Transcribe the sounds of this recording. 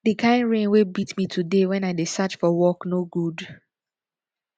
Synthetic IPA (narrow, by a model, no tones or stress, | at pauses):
dikʰãɪ̃nɹẽnwebitmitʰudewɛ̃naɪdesat͡ʃfɔwɔknoɡud